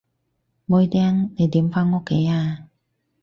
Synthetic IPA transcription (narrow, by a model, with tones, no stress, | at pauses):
mo˨˧jt̪ɛː˧˥ŋne˨˧jt̪iː˨˥mfaː˥nŋo˧˥kʰːe˨˦jaː˧